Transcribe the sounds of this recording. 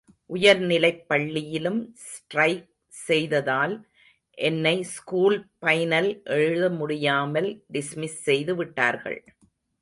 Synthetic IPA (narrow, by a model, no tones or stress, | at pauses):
ʔʊjɐɾnɪlɐɪpːɐɭːɪjɪlɯmsʈɾɐɪk̚ | sɛjðɐðaːl | ʔɛnːɐɪskuːlpɐjnɐlʔɛɻɯðɐmʊɽɪjaːmɐlɖɪsmɪsːɛjðɯʋɪʈːa̰ːɾɣɐ̰ɭ